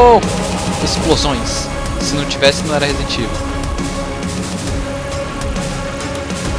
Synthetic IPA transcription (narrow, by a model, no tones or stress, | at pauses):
o | esplozõj̃sː | ɪnɐ̃w̃t͡ʃivɛsɪnɐ̃w̃ɛɾɐhed̪ẽt͡ʃivo